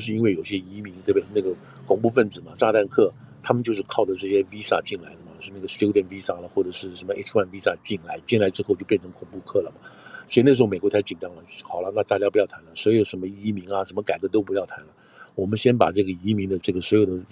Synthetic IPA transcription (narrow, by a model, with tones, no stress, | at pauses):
ʂɻ̩˥˧i˥nwe˥˩ɪjo˨˩ʊɕjɛ˥i˧˥mi˧˥ŋt̪we˥˧be˥˩ɪna˥˩ɡə˩ | kʰʊ˨˩ŋpu˥˧fə˥˩nt͡sɹ̩˨˩mɐ˩ʈ͡ʂa˥˧t̪a˥˧nkʰɤ˥˩ | t̪ʰa˥mə˨nt͡ɕjo˥˧ʊʂ̬ɻ̩˥˧kʰɑ˥˩ʊdə˩ʈ͡ʂɤ˥˩ɕ̬jɛ˥vi˥sa̰˥˧t͡ɕi˥˩nla˧˥ɪd̪ə˧mɐ˨t͡ɕʂɻ̩˥˧na˥˩ɡə˩ɕjo˥jɛ˥˧˩nfi˥sa˥˩lə˨˦xwɔ˥˩ʈ͡ʂɤ˨˩ʂɻ̩˥˩ʂə˧˥nmə˧e˥ʂwa˥˩nvi˥sa̰˥˧t͡ɕi˥˩nla˧˥ɪt͡ɕi˥˩nla˧˥ɪʈ͡ʂɻ̩˥xo˥˧ʊt͡ɕjo˥˧ʊjɛ˥˩nʈ͡ʂʰɤ˧˥ŋkʰʊ˨˩ŋpu˥˧kʰɤ˥˩lə˩mɐ˩swɔ˧˥i˧na˥˩ʂ̬̩˧˥˧e˨˩kwtʰɪt͡ɕi˨˩nʈ͡ʂɑ˥ŋlə˨xɑ˨˩ʊlə˦na˥˧ʈ͡ʂa˥˩t͡ɕja˥pu˧˥jɑ˥˩t̪ʰa˧˥nlə˧˩swɔ˧˥i˥˩o˧˩ʂə˧˥mə˧i˥mi˧˥ŋɐ˧ʂə˧˥nmə˧ka˨˩ɪkɤ˧˥t̪̬o˥ʊp̬u˧˥jɑ˥˩ʊt̪ʰa˧˥nlə˧ | wɔ˨˩mə˦nɕjɛ˥npa̰˨˩ʈ͡ʂɤ˥˩ɡə˩i˧˥mi˧˥ŋd̪ə˧ʈ͡ʂɤ˥˩ɡə˩swɔ˧˥jo˨˩ʊd̪ə˦